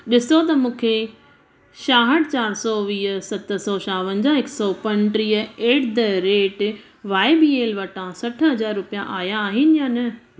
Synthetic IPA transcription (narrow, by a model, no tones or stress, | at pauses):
ɗɪsot̪̬ɐmũːkʰe | ʃaːɦəɽt͡ɕaːɾsɔʋiːsɐt̪sɔʃaːʋə̃nd͡ʑaɦɪksɔpɐ̃nʈɾiːəeːʈd̪ɐɾeːʈ | ʋaːɪbiːeːlʋɐʈʰãsɐʈʰɦɐd͡ʑaːɾɾʊpijã̰ʔaːjaːɦɪnɪjaːnɐ